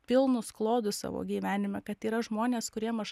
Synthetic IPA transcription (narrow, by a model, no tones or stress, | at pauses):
pʲɪlˠnʊsklˠoːd̪ʊsɑ̰ːʋo̰ːɡʲiːʋʲæːnʲɪmʲɛkɐt̪iːɾɐʒmoːnʲeːskʊɾʲiɛmɐʒ